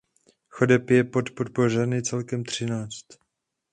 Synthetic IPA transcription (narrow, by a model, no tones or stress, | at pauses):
xo̞dɛpjɛpo̞t̪po̞t̪̚po̞r̝ɛnɪt͡sɛlkɛmt̪r̝̥ɪnaːt͡st̪